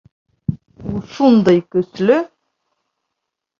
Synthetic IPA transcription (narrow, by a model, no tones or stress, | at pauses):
uʃund̪ɤjkɵ̆slɵ